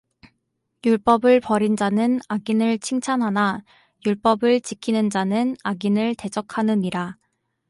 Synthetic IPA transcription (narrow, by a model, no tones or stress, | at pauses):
juɭp͈ʌbɯɭpʌɾind͡ʑanɯnaɡinɯɭt͡ɕʰiŋt͡ɕʰanɦana | juɭp͈ʌbɯɭt͡ɕikʰinɯnd͡ʑanɯnaɡinɯɭte̞d͡ʑʌkʰanɯniɾa